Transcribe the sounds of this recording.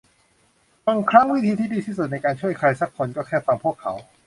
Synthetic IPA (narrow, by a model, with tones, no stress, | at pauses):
fa˧ŋkʰɾa˦˥˩ŋwi˦˥t̪ʰiː˧t̪ʰiː˥˩diː˧iː˥˩su˨˩n˧jkaː˧nt͡ɕʰu˥˩əjkʰɾaː˧jsa˧˥˩kʰːo˧nkɔː˥˩kʰɛː˥˩fa˧ŋpʰu˥˩əkʰːa̰˩˦˥w